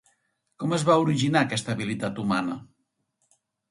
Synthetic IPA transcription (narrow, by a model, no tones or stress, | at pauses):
kɔməzβauɾiʒinakɛst̪əːβ̞ilit̪at̪umanə